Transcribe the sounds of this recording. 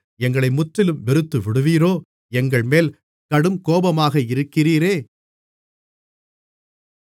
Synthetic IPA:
ɛŋɡɐɭɐɪmʊʈrɪlɯmʋɪɾɯt̪ːɯʋɪɽɯʋiːɾoː | ɛŋɡɐɭmeːl | kɐɽɯmkoːbɐmaːɣɐɪɾɯkːɪriːɾeː

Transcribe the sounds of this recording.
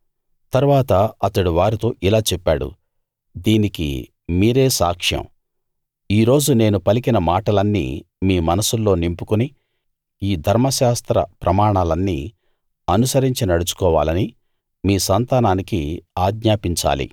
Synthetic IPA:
t̪ɐɾuʋaːt̪ɐɐt̪ɐɽiʋaːɾit̪oːʔilaːt͡ʃɛpːa̰ːɽṵ | d̪iːnikḭ | miːɾe̞ːsa̰ːkʂjɐ̰̃m | iːɾo̞ːd͡ʒune̞ːnupɐlikinɐmaːʈɐlɐnːḭː | miːmɐnɐsulːo̞ːnimpukuni | iːd̪ʱɐɾmɐʃaːst̪ɾɐ̰pɾʔɐmaːɳaːlɐnːḭː | ɐnusɐɾiɲt͡ʃinɐɽut͡ʃu̥kɔːʋaːlɐni | miːsɐnt̪aːnaːnikiaːɡɲaːpiɲt͡ʃa̰ːlḭ

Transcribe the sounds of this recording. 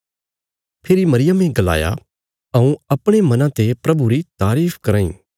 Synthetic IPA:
pʰeːɾimɐɾɪjəmẽɡɐla̰ːja̰ | ɐũɐpɽ̃emɐnãt̪epɾɐbuɾit̪aːɾiːpʰkɐɾaːḭ̃ː

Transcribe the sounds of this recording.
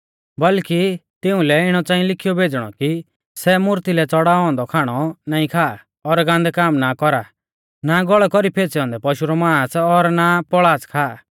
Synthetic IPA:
bɐlkit̪ɪʊ̃lɛɪɽ̃ɔt͡sãːĩlɪkʰijɔbʱeːd͡zɽ̃ɔ̰ki | sɛmʊɾt̪ilɛt͡sɔɽaːɔ̃ːnd̪ɔkʰaːɽ̃ɔnaːĩkʰaː | ɔɾɡãːnd̪ɛkaːmnakɔɾa | naɡɔɭɛkɔɾipʰeːt͡sɛɔ̃ːnd̪ɛpɔʃuɾɔmãːsɔɾnapɔɭaːt͡skʰaː

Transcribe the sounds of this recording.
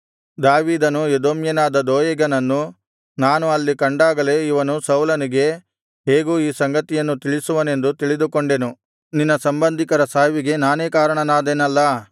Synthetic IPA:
d̪aːʋiːd̪ɐnued̪oːmjɐnaːd̪ɐd̪oːjɐɡɐnɐnːu | naːnuɐlːikɐɳɖaːɡɐle̞iʋɐnusɐwlɐniɡe̞ | ɦe̞ːɡuiːsɐŋɡɐt̪ijɐnːut̪iɭisuʋɐne̞nd̪ut̪iɭid̪ukoɳɖe̞nu | ninːɐsɐmbɐnd̪ʱikɐɾɐsaːʋiɡe̞naːne̞ːkaːɾɐɳɐnaːd̪enɐlːɐ

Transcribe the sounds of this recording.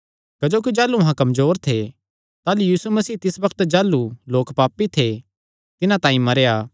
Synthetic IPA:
kɐd͡ʒoːk̬id͡ʒaːluɐɦãkɐmzoːɾt̪ʰe | t̪aːlujiːsumɐsiːt̪ɪsbɐkʰt̪d͡ʒaːlːuloːkpaːpːit̪ʰe | t̪ɪnãt̪ãːĩmɐɾejaː

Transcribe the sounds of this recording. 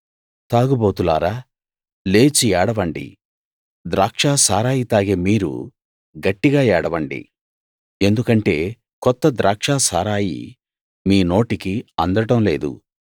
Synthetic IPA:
t̪aːɡubo̞ːt̪ula̰ːɾaː | le̞ːt͡ʃiɛːɽɐʋɐɳɖḭ | d̪ɾaːkʂaːsaːɾaːjit̪aːɡeːmiːɾṵ | ɡɐʈːiɡaːɛːɽɐʋɐɳɖḭ | e̞nd̪ukɐɳʈe̞ː | kɔt̪ːɐd̪ɾʔaːkʂaːsaːɾaːjḭ | miːno̞ːʈikiɐnd̪ɐʈɐmle̞ːd̪ṵ

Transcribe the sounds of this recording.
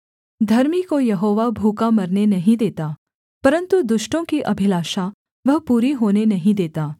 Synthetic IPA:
d̪ʱɐɾmikojɐɦoːʋabʱuːkamɐɾnenɐɦĩd̪eːt̪a | pɐɾə̃nt̪ud̪ʊʃʈõkiʔɐbʱɪlaːʃa | ʋɐɦpuːɾiɦoːnenɐɦĩd̪eːt̪aː

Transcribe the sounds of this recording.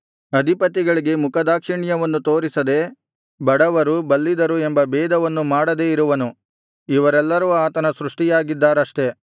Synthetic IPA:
ɐd̪ʱipɐt̪iɡɐɭiɡe̞mukʰɐd̪aːkʂiɳijɐʋɐnːut̪o̞ːɾisɐd̪e̞ | bɐɽɐʋɐɾubɐlːid̪ɐɾuembɐbɛːd̪ɐʋɐnːumaːɽɐd̪e̞ːiɾuʋɐnu | iʋɐɾɛlːɐɾuaːt̪ɐnɐsɾuʂʈijaːɡid̪ːaːɾɐʂʈe̞

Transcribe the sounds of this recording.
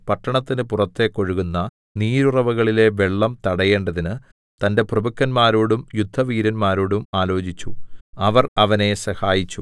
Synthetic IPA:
pɐʈːɐɳɐt̪ːinɨpurɐt̪ːe̞kːo̞ɻuɣunːɐ | niːɾurɐʋɐɣɐɭile̞ʋe̞ɭːɐmt̪ɐɽɐje̞ːɳɖɐðinɨ | t̪ɐnde̞prɐbɐkːɐnmaːɾoːɽumjud̪ʱːɐʋiːɾɐnmaːɾoːɽumaːlo̞ːt͡ɕit͡ɕːuɐʋɐrɐʋɐne̞sɐhaːjit͡ɕːu

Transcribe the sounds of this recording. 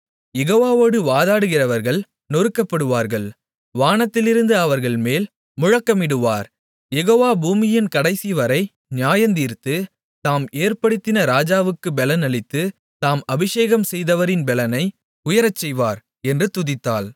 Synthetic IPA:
jɛɣoːʋaːʋoːɽɯʋaːðaːɽɯɣɪrɐʋɐɾɣɐɭ | nɔɾɯkːɐpːɐɽɯʋaːɾɣɐɭ | ʋaːnɐt̪ːɪlɪɾɯnd̪ɯɐʋɐɾɣɐɭmeːl | mʊɻɐkːɐmɪɽɯʋaːɾ | jɛɣoːʋaːbuːmɪjɪnkɐɽɐɪsiʋɐɾɐɪ | nɪjaːjɐnd̪iːɾt̪ɯ | t̪aːmeːɾpɐɽɯt̪ːɪnɐɾaːd͡ʒaːʋɯkːɯbɛlɐnɐɭɪt̪ːɯ | t̪aːmɐbɪʂeːɣɐmsɛjðɐʋɐɾɪnbɛlɐnɐɪ | ʊjɐɾɐt͡ʃːɛjʋaːɾ | ɛndrɯt̪ʊðɪt̪ːaːl

